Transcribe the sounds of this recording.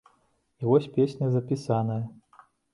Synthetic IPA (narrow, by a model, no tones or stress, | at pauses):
ivɔsʲpʲesʲnʲɐzɐpʲisanɐjɐ